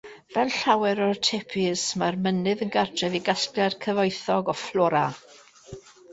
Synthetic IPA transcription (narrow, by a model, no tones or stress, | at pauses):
vɛlˠɬawɛɾɔrtʰepʰɪsmarmənɨðənɡartʰrɛviɡasklɛrkʰəvɔjθɔɡɔflˠɔːɾa